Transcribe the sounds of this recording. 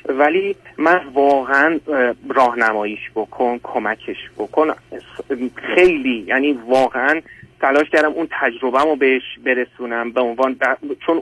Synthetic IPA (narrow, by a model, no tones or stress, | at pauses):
væliːmænvɒːɣeænrɒːhnæmɒːjiːʃbokʰonkʰomæcʰe̞ʃbokʰon | xe̞jliːjæːniːvɒːɣeʔænt̪ʰælɒːʃcʰæɾd̪æmʔunt̪ʰæd͡ʒɾo̞bæmobeheʃbe̞ɾe̞suːnæmbeonvɒːnbæt͡ʃʰon